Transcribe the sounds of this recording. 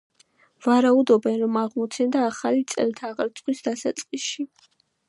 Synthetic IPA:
v̥aɾaud̪ɔbɛnɾɔmaʁmɔt̪sʰɛnd̪aːχalit̪sʼɛ̰lt̪ʰaːʁɾt̪sʰʼχwisd̪asa̰t̪sʼqʼisʃi

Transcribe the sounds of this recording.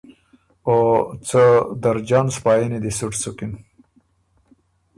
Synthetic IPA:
ot͡səd̪aɾd͡ʒɑːnspɑːjenid̪isuʈsukin

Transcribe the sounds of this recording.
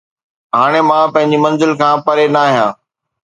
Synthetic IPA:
ɦaːɽ̃emãːpɐ̃ɦɪ̃ɲd͡ʑimɐ̃nzɪlkʰãːpɐɾenaːɦijãː

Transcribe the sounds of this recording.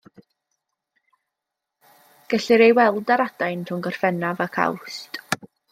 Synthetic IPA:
ɡ̥əɬɪɾejwɛlˠdaɾadajntʰʊŋɡɔr̥fɛnavakʰa̰wstʼ

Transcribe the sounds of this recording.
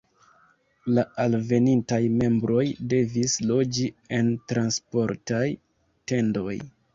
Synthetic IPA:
laalve̞nintajme̞mbɾo̞jde̞vislo̞d͡ʒie̞ntɾanspo̞ɾtaj | te̞ndo̞j

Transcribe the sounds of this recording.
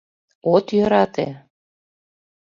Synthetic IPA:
ot̪jøɾɑt̪ḛ

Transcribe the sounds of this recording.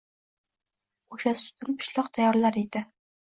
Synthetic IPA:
oʃasʊ̥t̪ʰɪnpʰʊ̥ʃlˠɑqt̪ʰajɒɾlaɾed̪ɪ

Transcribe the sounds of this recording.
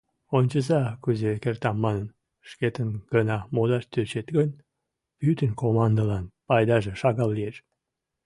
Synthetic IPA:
onʲt͡ɕəzɑkyzekert̪ɑmːɑnən | ʃket̪ənɡ̥ənɑmod̪ɑʃt̪øt͡ɕet̪ɡən | pyt̪ənkomɑnd̪əlɑnpɑjd̪ɑʒeʃɑɣɑlːieʃ

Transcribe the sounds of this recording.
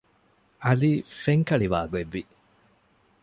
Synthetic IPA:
ʔɐliːfeŋkɐɭiʋa̰ːɡueʋːi

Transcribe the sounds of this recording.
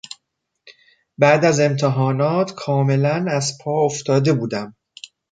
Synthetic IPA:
bæʔd̪æze̞mt̪ʰeɦɒːnɒːt̪ʰkʰɒːme̞lænæzpʰɒːoft̪ɒːd̪e̞buːd̪æm

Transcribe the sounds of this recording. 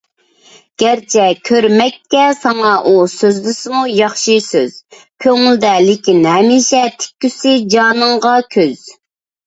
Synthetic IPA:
ɡ̥ʲæɾt͡ʃʰɛkʲʰøɾmɛk̚ʲkʲːɛsɑŋɑʔusøzd̪ysɪmujɑχʃisøz̥ | kʲʰøŋyld̪ɛlɪkʲinhɛmɪʃɛt̪ʰɪ̥kʲːysɪd͡ʒɑːnɨŋʁɑkʲʰøz̥

